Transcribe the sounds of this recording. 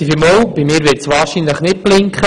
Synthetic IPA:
ifɪmoːwb̥imɪːɾʋɪɾtsʋɑːɾʃinləχnɪt̚plɪŋkχə

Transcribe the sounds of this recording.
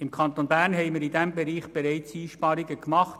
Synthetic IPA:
ɪmkʰɑntonbæɾnɦɛɪmiɾɪdɛmbɛɾiːχb̥ɛɾɛɪt͡siːʃpɑːɾiɡəkmɑχt

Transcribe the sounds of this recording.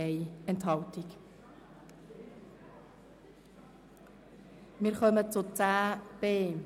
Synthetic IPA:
ɛɪɛntɦɑltik | mɪːɾχœmət͡sʊt͡sæːb̥eː

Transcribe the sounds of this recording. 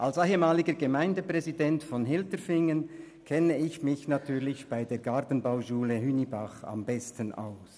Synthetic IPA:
ʔalsaɪhəmaːlɪɡəɡəmaɪndəpʁ̥ɛzidɛntfɔnɦɪltəfɪŋən | kʰɛnəɪçmɪçnatʰyːɐʁlɪçb̥aɪdeːɐɡaɐtən̩baʊʃuːləhynibaχa̰mbɛstəna̰ʊs

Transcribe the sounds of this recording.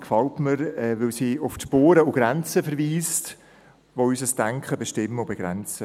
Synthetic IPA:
kfɑltməɾɛvɪlsiːʊfʃpoːɾəʊɡ̥ɾɛnt͡səfəɾviːst | voyːsəsd̥æŋkχəbeʃtɪmːəʊbeɡ̥ɾɛnt͡sə

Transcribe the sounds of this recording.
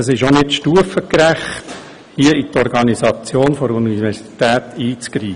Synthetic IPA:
əsɪʃonɪtʃtuəfəkɾæχt̪ | hiəit̪ɔɾɡɑnisɑt͡sjoːnfɔɾunivɛɾsi̥t̪æːt̪iːt͡skɾiːə

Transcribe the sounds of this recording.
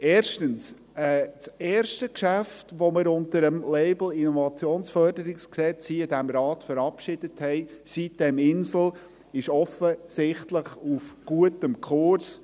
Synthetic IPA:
eːɾʃtəns | ɛt͡seːɾʃtəkʃæftʋoməɾʊntəɾəmleɪbl̩ɪnɔvɑt͡sjoːnsfœrdəɾɪksksɛt͡siːɪdæmɾɑːtfəɾɑpʃɪd̥əthɛɪsit̚d̥ɛmɪnsl̩ | ɪʃɔfəsɪχtləχufɡ̥uətəmkʰʊɾs

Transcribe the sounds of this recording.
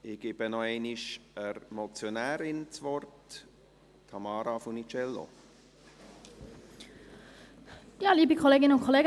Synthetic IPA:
ɪɡ̥ɪb̥ənɔɛɪniʃəɾmɔt͡sjonæːɾɪnt͡sʋɔrt | tʰːɑmɑːɾafʊnit͡ʃɛlːo̰ | jɑːliːbikʰχoleːɡɪnəʊnkʰoleːɡ

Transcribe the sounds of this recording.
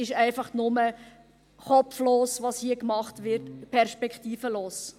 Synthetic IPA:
ɪʃɛɪfɑχnʊmə | χɔpfloːsvɑshiəkmɑχtvɪɾtpʰɛɾʃpɛkχtiːfəloːs

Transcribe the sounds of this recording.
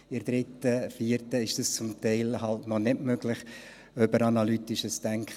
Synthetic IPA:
ɪɾd̥̪ɾɪtəfiəɾtəɪʃd̥əst͡sʊmtɛɪlhɑltnɔnɪtmøɡlɪχ | øbəɾɑnɑlyt̪ɪʃəstæŋkχ

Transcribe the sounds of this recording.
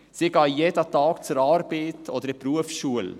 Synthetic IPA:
siɡɑːjeːdət̪ɑːkt͡sʊɾɑːɾb̥eːtʰod̥̪əɾɛpɾuəfʃuəl

